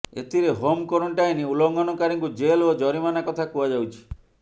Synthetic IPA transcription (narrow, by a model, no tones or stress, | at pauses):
ḛt̪ʰiɾeɦomkɔɾuɳʈajniulɔŋɡɔnɔkaɾiŋkud͡ʒelod͡ʒɔɾimanakɔt̪ʰakuad͡ʒawt͡ʃʰi̥